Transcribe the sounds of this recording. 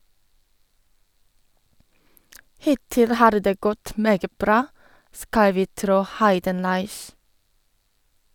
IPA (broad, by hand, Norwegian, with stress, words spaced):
ˈhɪtɪl ˈhɑːɾ ˈdeː ˈɡɔt ˈmeːɡə ˈbɾɑː ˈskɑl ˈʋiː ˈtɾoː ˈhɑɪdənlɑɪç